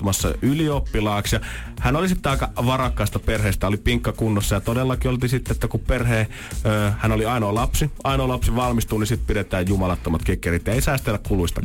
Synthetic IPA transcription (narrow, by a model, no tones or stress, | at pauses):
umɑsːɑ̰yliopːilɑːksjɑhænolisit̪ːeɑˑikɑʋɑrɑkːˑɑˑist̪ɑperheːst̪æolipiŋkːɑkunːosːɑjɑt̪odelːɑkiolt̪isit̪ːeet̪ːækuperheː | øːhænoliɑinoːlɑpsiɑinoːlɑpsiʋɑlmist̪uːnisit̪̚pidet̪ˑæːjjumɑlɑt̪ːomɑt̪kikːerit̪ːæeˑisɑˑist̪elːækkuluist̪ɑ̰